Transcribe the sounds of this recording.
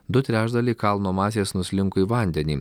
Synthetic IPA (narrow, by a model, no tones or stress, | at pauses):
d̪ʊt̪ʲɾʲæːʒd̪ɐlʲekɑlˠnoːmɑːsʲeːsnʊsʲlʲɪŋkoiːʋɐˑnʲd̪ʲɛnʲiː